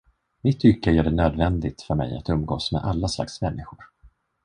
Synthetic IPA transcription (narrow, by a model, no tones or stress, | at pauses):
mɪt̪ʰːʏkːajœɖɛnøːd̪vɛnd̪ɪt̪fœɾmɛ̰ja̰t̪ɵmɡoːsmɛ̰d̪ʔalːasla̰ksmɛnːɪɧʊɾ